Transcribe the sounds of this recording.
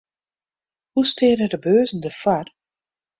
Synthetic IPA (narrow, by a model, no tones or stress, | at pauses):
hustʰɪəɾədəbøːzn̩dəfar